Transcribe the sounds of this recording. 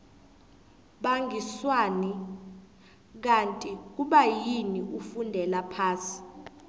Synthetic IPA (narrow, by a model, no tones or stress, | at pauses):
ɓaŋɡʱiswani | k̬antʼik̬uɓajiniʔufundʱɛlapʰaːsi̥